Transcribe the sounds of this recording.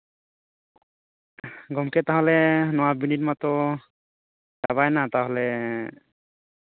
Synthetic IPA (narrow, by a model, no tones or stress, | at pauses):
ɡɔmkʰɛt̪aɦlɛnɔwabinit̚mat̪ɔ | daβajnat̪ãɦɔlɛ